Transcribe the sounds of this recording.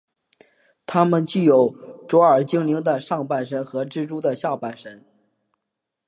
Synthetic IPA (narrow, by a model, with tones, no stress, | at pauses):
t̪ʰa˥mə˨nt͡ɕy˥˩jo˨˩ʊʈ͡ʂwɔ˧˥ə˞˨˩t͡ɕi˥ŋli˧˥ŋd̪ə˨˧ʂɑ˥˧ŋpa˥˩nʂə˧˥nxɤ˧˥ʈ͡ʂɻ̩˥˧ʈ͡ʂu˥d̪ə˨ɕjɑ˥˧ʊpa˥˩nʂə˧˥n